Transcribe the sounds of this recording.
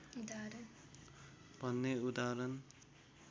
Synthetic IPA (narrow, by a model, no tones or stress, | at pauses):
ud̪aɾn | b̥ʱʌnːeud̪aɾʌn